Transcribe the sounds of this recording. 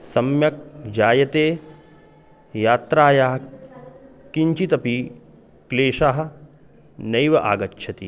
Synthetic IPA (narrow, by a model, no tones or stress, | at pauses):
sɐmjɐk̚d͡ʒaːjɐt̪eː | jaːt̪ɾaːjaːɦɐ | kiɲt͡ʃit̪ɐpi | kleːʃaːɦɐ̆ | nɐjʋɐʔa̰ːɡɐt͡ʃːʃʰɐt̪ḭ